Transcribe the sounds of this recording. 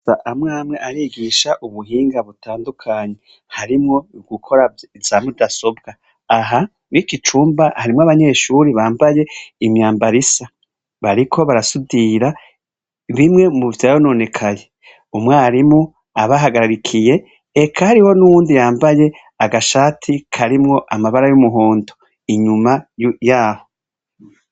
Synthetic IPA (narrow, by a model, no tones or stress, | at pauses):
aʔamŋaːmŋeʔaɾiːɡiʃaʔuβuɦiːŋɡaβutaːndukʰaɲe̞ | haɾimŋo̞ɡukʰo̞ɾa | zaːmudaso̞b̚ɡaː | ɦa | nikit͡ʃuːmbahaɾimŋoaβaɲe̞ːʃuɾiβaːmbaje̞imɲaːmbaɾisa | βaɾikʰo̞βaɾasudiɾa | βimŋe̞muβvtajajonoːne̞kʰaje̞ | umŋaːɾimu | aβaɦaɡaɾaɾikʰije̞ː | kʰahaɾiho̞nuβuːndijaːmbaje̞ | aɡaʃaːtʰikʰaɾimŋo̞ʔamaβaɾajumuɦoːndo | iɲumajjaːho̞